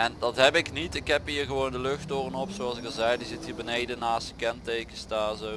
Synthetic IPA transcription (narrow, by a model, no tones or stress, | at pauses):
ɛndɑtɦɛpɪknitɪkɦɛpɦiːɹɣəʋowndəlɵxtoːrənɔpsoɑlˠsɪkəzɛjdizɪtɦiːɹbənejdənaːstə̥kɛntejkəstaːzo